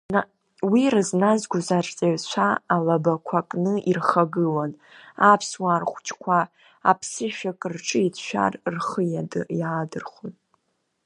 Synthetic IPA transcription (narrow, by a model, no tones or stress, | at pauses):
wirɨznazɡʷʊzart͡sʼeɥt͡ʃʷʰaːlabakʷʰakʼnɨʔirχaɡɨlan | apʰswarχʷt͡ʃʼkʷʰa | a̰pʰsɨʃᶣakʼrʈ͡ʂʼɨit͡sʰʃʷᶣa̰rrχəjadɨjadɨrχotʼ